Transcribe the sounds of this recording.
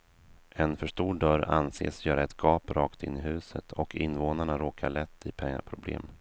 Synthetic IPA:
ʔɛnfœʂtuːɖœɾa̰nsḛːsjœːɾaɛt̪ɡɑːpɾɑːkt̪ɪnːɪɦʉ̟ːsət̪ʰɔkʰɪnːvoːnaɳaɾoːkʰaɭɛt̪ʰːɪpʰɛŋːa̰pʰɾʊblḛːm

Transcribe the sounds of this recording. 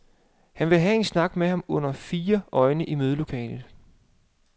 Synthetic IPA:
hænʋe̝ɦɛe̝nsnɑ̈ɡ̥mehɑ̈mɔ̽n̰ɐfiːɐɒ̽ɪnəʔimøð̞ˠlokʰɛ̰ːlð̩ˠ

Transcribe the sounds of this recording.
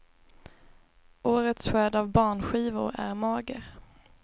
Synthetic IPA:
ʔoːɾət̪sɧøːd̪avbɑːɳɧiːvʊ̰ɾæ̰ɾmɑːɡəɾ

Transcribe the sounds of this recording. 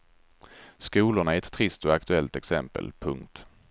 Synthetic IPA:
skuːlʊɳaæɾɛt̪ʰːɾɪst̪ɔak̚t̪ɵɛlt̪ɛksɛ̰mpə̰lpʰɵ̰ŋkt̪

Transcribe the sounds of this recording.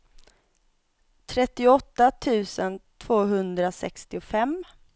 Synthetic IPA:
t̪ʰɾɛt̪ːɪʊɔt̪ːat̪ʰʉ̟ːsənt̪ʰv̥oːɦɵnd̪ɾasɛkst̪ɪʊfɛm

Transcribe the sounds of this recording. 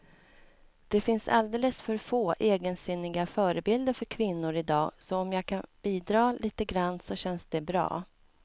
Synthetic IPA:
d̪̥ɛfɪnsa̰ld̪eːləsfœɾfoːʔeːɡənsʏnːɪɡafœːɾəbɪld̪əɾfœɾkʰvɪnːʊɾɪd̪ɑːsɔːmjɑːɡkʰanb̥iːd̪ɾɑːlʔiːt̪əɡɾand̪sɔɕɛnsd̪ɛbɾɑ̰ː

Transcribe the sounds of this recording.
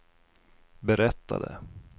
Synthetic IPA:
bɛɾɛt̪ːad̪ə̰

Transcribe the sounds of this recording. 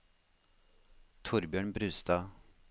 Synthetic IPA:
t̪ʰʊɾbjœːɳbɾʉ̟ːst̪a

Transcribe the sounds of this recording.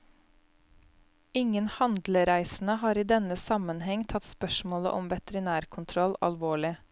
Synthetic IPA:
ɪŋənhɑnd̪ləɾæɪsn̩əhɑːɾiːd̪ɛnəsɑmənhɛŋt̪ʰɑt̪spœʃmoːlə̰ʔɔmʋɛt̪əɾɪnæːɾkʰʊnt̪ʰɾɔlɑ̰lʋoːɭɪ

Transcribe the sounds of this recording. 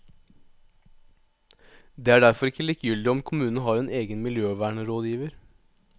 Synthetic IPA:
d̪eːæːɖæɾfɔɾɪkːəliːkjʏld̪ɪɔmkʰʊmʉːnən̩əɦɑːɾɛːneːɡənmɪljøːʋæːɳəɾoːd̪jiːʋəɾ

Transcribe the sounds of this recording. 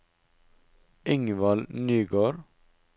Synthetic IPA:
ʔɪŋʋɑlnyːɡoːɾ

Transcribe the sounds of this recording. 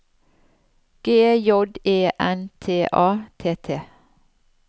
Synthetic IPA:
ɡ̥eːjɔd̪eːʔɛnt̪ʰeːʔɑːt̪ʰeːt̪ʰeː

